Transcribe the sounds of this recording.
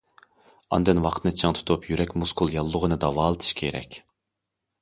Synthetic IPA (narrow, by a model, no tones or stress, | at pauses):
ɑ̰nd̪ɨnwɑqʰt̪ʰɨnɨt͡ʃʰɨŋt̪ʰu̥t̪ʰupjyɾɛkʲmuskʰulˠjɑlˠːʊʁənɨd̪ɑvɑːlˠɨt̪ʰɨ̥ʃkʲʰeɾɛ̰kʲ